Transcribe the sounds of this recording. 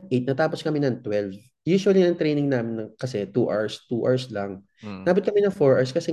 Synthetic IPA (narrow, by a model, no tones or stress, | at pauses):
ʔejt̪̚nɐt̪aːposkɐmɛnɐŋt̪wɛlv | juːʃʊwɐlinɐŋt̪ɾejnɪŋnaːmɪnːɐŋkɐsɛt̪uʔaɹst̪uːʔa̰ɹslɐŋ | naːbʊt̪̚kɐmɛnɐŋfoɹʔaɹskɐsɛ